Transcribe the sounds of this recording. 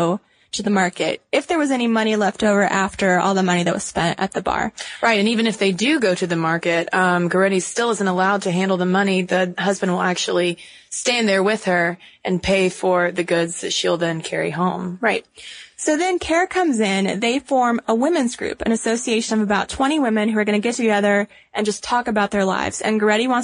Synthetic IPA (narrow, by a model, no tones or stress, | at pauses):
ʊ | ɾɨðəmɑɹkɨ̰ɾɨfðə˞wʌzɛñimʌɾ̃ilɛftoʊvə˞ʔæftə˞ɔ̰lˠðəmʌñiðɨt̚wʌ̰z̥spɛ̃ntɨ̰t̪̚ðɨbɑ̰ɹɹaɪɾɨ̃nivɨ̃nɨfðeɪdɨɡoʊɾɨðɨmɑɹkɨt̚ʌ̃mɡə˞ɛɾistɪlˠɪzɨ̃n̩təlaʊd̚tʰɨɦæ̃ndˡl̩ˠðəmʌniðɨɦʌzbɨ̃n̩dwəlˠæk̚t͡ʃul̩ˠi | stæ̃nðə˞wɪð̥ə˞ʔɨ̃npʰeɪfə˞ðɨɡʊdzðɨtʃilˠðɨ̃nkʰɛɹḭɦõʊ̃mɹaɪt̚soʊðɨ̃nkʰɛɹkʰʌ̃mzɪ̃nðeɪfɔɹməwɪ̃mɨ̃nzɡɹʉ̰pɨ̰̃ñɨsoʊsieɪʃɨ̃nʌvəbaʊtʰw̥ɛ̃ɾ̃iwɪ̃mɨ̃nhʉə˞ɡʌñɨɡɛtʰɨɡɛðə˞ | ʔɨ̃nd͡ʒʌstʰɔkɨbaʊt̪̚ðə˞la̰ɪvz̥ɨ̰̃nɡə˞ɛɾiwɑ̃n